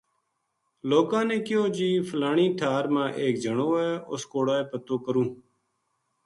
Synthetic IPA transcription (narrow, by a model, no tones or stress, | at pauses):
loːkãːnẽːkɪjoːd͡ʒiːflaːɳĩːʈʰaːɾmãːʔeːk̚d͡ʒʱəɳoːeːʊ̰skoːɽaːeːpət̪oːkəɾũː